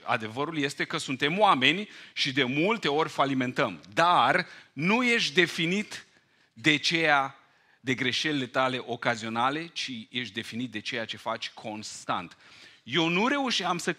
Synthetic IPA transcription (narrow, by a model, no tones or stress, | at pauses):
a̰d̪e̞vəɾulje̞st̪e̞kəsunt̪e̞mwame̞nʲʃid̪e̞mult̪e̞o̞rʲfalimẽ̞nt̪əmd̪arnuje̞ʃd̪e̞finit̪ | d̪e̞t͡ʃe̞ja | d̪e̞ɡɾe̞ʃe̞lile̞t̪ale̞ʔokazio̞nale̞t͡ʃije̞ʃt̪d̪e̞finit̪̚d̪e̞t͡ʃe̞jat͡ʃe̞fat͡ʃʲkʰo̞nst̪a̰nt̪je̞wnuɾe̞uʃiamsə